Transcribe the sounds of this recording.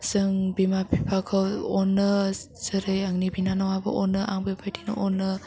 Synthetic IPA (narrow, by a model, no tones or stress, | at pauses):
sɯŋbimapʰipʰakʰawɔnːɯ | zɯɾɯjaŋnibʱinanawabɐ̰ʔɔnːɯʔaŋbɯjpʰajdinɐ̰ʔɔnːɯ